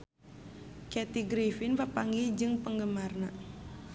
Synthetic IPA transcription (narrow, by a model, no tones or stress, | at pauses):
kɛt̪iɡɾifinpəpaŋɡid͡ʒɨŋpəŋɡəmarna